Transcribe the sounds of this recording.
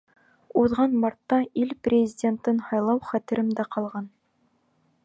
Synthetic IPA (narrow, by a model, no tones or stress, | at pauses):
uðʁɑnmɑɾt̪ːɑʔilprʲɪzʲɪdʲent̪ɤnhɑjlˠɑwχæt̪ɘ̆ɾɘmd̪æqɑlˠʁɑn